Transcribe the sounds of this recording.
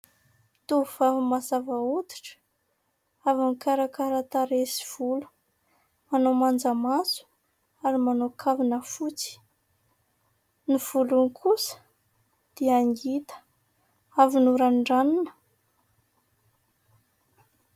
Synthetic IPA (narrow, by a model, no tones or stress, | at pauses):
t̪uv̥avumazavaut̪i̥ʈ͡ʂə̥ | avamikaɾakaɾat̪aɾesi̥v̥ulu̥ | manomand͡zəmasu̥ | aɾimanokʰavinəfut͡si̥ | niv̥ulunkʰusə̥ | d̪̥eaŋɡit̪ə̥ | avinuɾanɳɖ͡ʐaninə̥